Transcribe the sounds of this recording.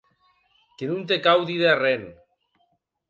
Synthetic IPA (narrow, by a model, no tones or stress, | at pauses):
kenunt̪̬ekawðiðearen